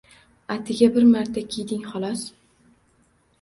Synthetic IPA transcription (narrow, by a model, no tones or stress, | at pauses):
at̪ʰɪɡʲabɪɾmaɾt̪ʰakʲʰijd̪ɪŋχɒlˠɒs